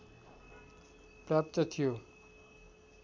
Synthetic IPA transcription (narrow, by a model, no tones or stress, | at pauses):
pɾaːp̚t̪ət̪ʰijo